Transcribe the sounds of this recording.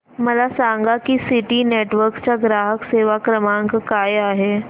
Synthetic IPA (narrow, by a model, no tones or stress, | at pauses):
məlasãŋɡakisiʈineʈʋəɾkst͡ɕaɡɾaɦəkseʋakɾəmãŋkkajaɦe